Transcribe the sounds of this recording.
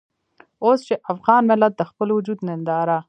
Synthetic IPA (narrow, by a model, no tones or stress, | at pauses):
ost͡ʃeʔafɣɑnmɪlat̪̚d̪əxpəlwʊd͡ʒud̪nɪnd̪ɑɾa